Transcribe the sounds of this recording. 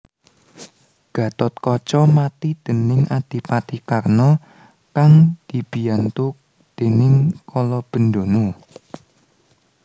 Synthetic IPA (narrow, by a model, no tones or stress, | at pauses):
ɡ̥a̤t̪ɔt̪̚kɔt͡ʃɔmat̪id̪̥ə̤nɪŋʔad̪̥i̤pat̪ikarnɔ | kaŋd̪̥i̤b̥i̤ant̪ʊk̚ | d̪̥e̤nɪŋkʰɔlɔb̥ə̤nd̪ono